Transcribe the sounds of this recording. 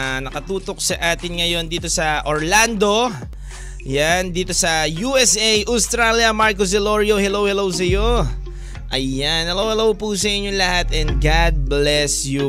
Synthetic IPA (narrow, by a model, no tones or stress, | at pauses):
nɐkɐt̪uːt̪o̞k̚sɐʔaːt̪ɪnŋɐjo̞nd̪iːt̪o̞sɐʔoɹland̪o̞ | jand̪iːt̪o̞sɐjuʔɛsʔejʔɐwst̪ɾaljɐmaɹkos̬d̪ɛloɹjohɛlowhɛlowsɐjo̞ | ʔɐjanhɛlowhɛlowpusɐʔɪɲːoŋlɐhat̪ɛnd̪̚ɡad̪̚blɛsju